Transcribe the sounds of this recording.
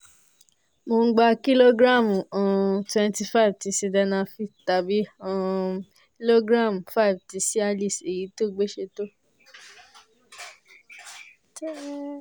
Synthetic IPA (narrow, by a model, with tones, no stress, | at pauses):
mo˧ŋ̩˦ɡ͡ba˧ki˦lo˦ɡɾa˦˨mu˨ɔ̃˨twɛ̃˧nti˧fa˦i˨vti˨˧˦si˧˦dɛ˧nã˧fi˧ta˨bi˦ã˦˨ | ki˦lo˦ɡɾa˦˨m˨fa˦i˨bti˨˧˦si˦a˧li˦˨se˨ji˨˦to˦˨ɡ͡be˦ʃe˧to˦˨˦